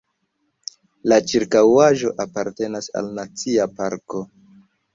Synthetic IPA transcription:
lat͡ʃiɾkawaʒo̞ʔapaɾte̞nasa̰lnat͡siapaɾko̞

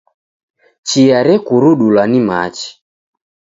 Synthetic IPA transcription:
t͡ʃijaɾɛkuɾuɗulwanima̰t͡ʃi̥

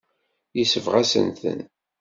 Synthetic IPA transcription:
jəsəvʁæsə̰nθə̰n

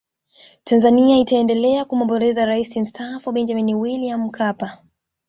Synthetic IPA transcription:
tanzaniaitaɛndɛlɛakumɔmbɔɾɛzaɾaisim̩stʰafuɓɛnd͡ʒaminiwiliamm̩kʰapa

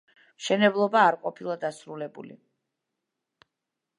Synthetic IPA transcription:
mʃɛnɛblˠɔbaːɾqʼɔpʰilˠad̪asɾulɛbṵlḭ

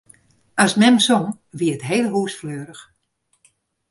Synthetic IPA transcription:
asmɛmsoŋ | ʋiəətɦeːlˠɦuːsfløːɾəx

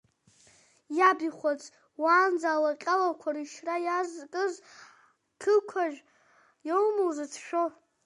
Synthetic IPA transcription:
jabiχʷat͡sʼ | waːnd͡zaːlaqʲʼalakʷʰariʃrajazkʼɨz | kʰɨkʷʰaʒᶣ | jowmɨlzat͡sʰʃᶣo

